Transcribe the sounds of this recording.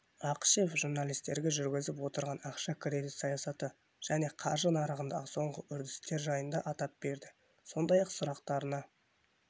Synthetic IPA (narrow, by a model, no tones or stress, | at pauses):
ɑqʃefʒuɾnɑlˠijst̪e̞ɾɡʲeʒʏɾɡʲɪzɪpwo̞t̪əɾʁɑnɑqʃɑkʰɾed̪ɪt̪sɑjɑsɑt̪ə | ʒ̥æne̞qʰɑ̰ɾʒənɑɾəʁənd̪ɑʁəso̞ɴʁəʔʏɾd̪ɪst̪e̞ɾʒɑjənd̪ɑʔɑt̪ɑp̚b̥e̞ɾd̪ɪ | so̞nd̪ɑjɑqsʊɾɑqt̪ɑɾənɑ